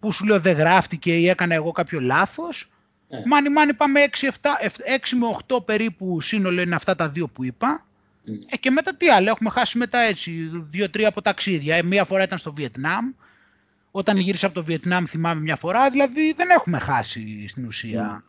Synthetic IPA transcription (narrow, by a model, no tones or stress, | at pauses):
pusuleoðeɣɾɐft̪ice̞ie̞kɐnɐeɣo̞kɐpço̞lɐθo̞s | mɐnimɐnipɐmeeksieft̪ɐʔefe̞ksimeoxt̪o̞pe̞ɾipusino̞loineɐft̪ɐt̪ɐðio̞puipɐ | ce̞met̪ɐt̪iɐloexume̞xɐsime̞t̪ɐe̞t͡s̪iðʝo̞t̪ɾiɐːpo̞t̪ɐksiðʝɐmiɐfoɾɐit̪ɐnst̪o̞vie̞t̪nɐm | o̞t̪ɐnʝiɾisɐpo̞t̪o̞vie̞t̪nɐmθimɐme̞mɲɐfo̞ɾɐðilɐðiðe̞ne̞xume̞xɐsist̪inusiɐ̰